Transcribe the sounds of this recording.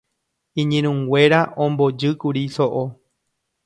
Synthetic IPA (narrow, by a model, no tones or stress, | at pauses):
ĩɲẽɾ̃ũŋɡwʷe̞ɾaʔõmbo̞d͡ʒɨkuɾisoʔo